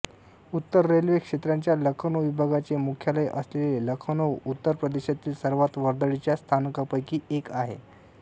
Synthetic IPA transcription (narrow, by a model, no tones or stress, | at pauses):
ut̪ːəɾːelʋikʂet̪ɾaɲt͡ɕjaləkʰənoʋibʱaɡat͡ɕemukʰjaləjʔəsleleləkʰənowut̪ːəɾpɾəd̪eɕat̪iːlsəɾʋat̪ʋəɾd̪əɽit͡ɕjast̪ʰanəkapəjkiːekaɦḛ